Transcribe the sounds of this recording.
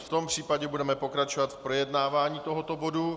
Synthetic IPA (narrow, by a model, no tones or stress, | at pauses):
ft̪o̞mpr̝̥iːpaɟɛbudɛmɛpo̞kɾat͡ʃovat̪fpɾojɛdnaːvaːɲiːt̪o̞ɦot̪o̞bo̞du